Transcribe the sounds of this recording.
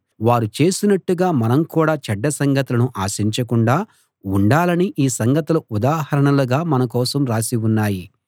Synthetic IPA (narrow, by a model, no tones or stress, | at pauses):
ʋaːɾut͡ʃe̞ːsinɐʈːuɡaːmɐnɐmkuːɽaːt͡ʃɐɖːɐsɐŋɡɐt̪ulɐnuʔaːsiɲt͡ʃɐkuɳɖaː | uɳɖaːlɐniʔiːsɐŋɡɐt̪ulɐud̪aːɦɐɾɐɳɐluɡaːmɐnɐk̬ɔːsɐmɾaːsiunːaːji